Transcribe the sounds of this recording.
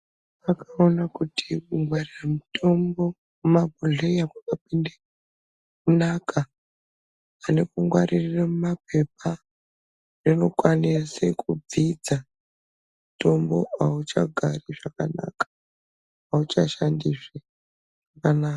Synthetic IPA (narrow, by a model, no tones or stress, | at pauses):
akaonakutʰikuŋɡwariramutʰo̞mbo̞ | mumabʱuɮeiakakapinde | kunaka | ane̞kuŋɡwaɾiriramumap̚e̞p̚a | rino̞kwanesekub͡vid͡za | muto̞mbo̞aut͡ʃa̰ɡʱariʐaka̰na̰kḁ | aut͡ʃaʃandiʂe | akanaːa